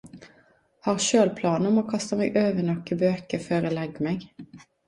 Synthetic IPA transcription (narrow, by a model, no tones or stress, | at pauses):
hɑːʁʃøːlpʰlɑːnəɔmoːkʰɑst̪əmɛɡʔøːʋənɔkːəbøːkəføːɾoːlɛɡmɛɡ